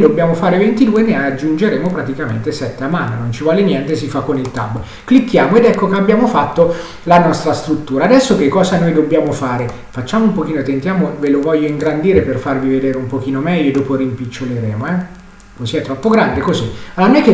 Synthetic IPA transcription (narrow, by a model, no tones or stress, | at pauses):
d̪obːjaːmofaːɾevent̪id̪uːenead͡ʒːund͡ʒeɾeːmopɾat̪ikamḛnt̪esɛt̪ːeamːanːonont͡ʃivɔːlenjɛnt̪esifakːonilt̪a̰bːo | klikːjaːmoed̪ɛkːokeabːjaːmofat̪ːo | lanɔst̪ɾast̪ɾut̪ːuːɾaːd̪ɛsːok̟ekːɔːzanojd̪obːjaːmofaːɾe | fat͡ʃːaːmoumpok̟iːnoet̪ent̪jaːmovelovɔʎːoiŋɡɾand̪iːɾeperfarvived̪eːɾeumpok̟iːnomɛʎːod̪ɔːpoɾimpit͡ʃːoleɾeːmoɛ | kosiɛt̪ːɾɔpːoɡɾand̪ekozianojk̟e